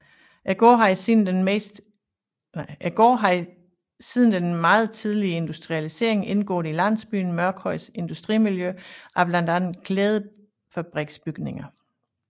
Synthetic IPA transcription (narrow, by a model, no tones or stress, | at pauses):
ʔæɡ̥ɒ̰ːɦɑ̈isin̩̥enmḛsd̥ | ʔæɡ̥ɒ̰ːɦɑ̈ | sið̞ˠn̩d̥enmɑ̈ːð̞̩ˠt͡sʰið̞ˠliəe̝nd̥usd̥ʁiælise̝̰ɐe̝ŋe̝nɡ̥ɔ̰̽ːðˠilæn̰sb̥y̰ːn̩mɶɐɡ̥hɒɪ̰se̝nd̥usd̥ʁḭmiljøʔæb̥lænd̥ænn̩kʰleːð̞̩ˠ | fæb̥ʁɛɡ̥sb̥yɡ̥ne̝ŋɐ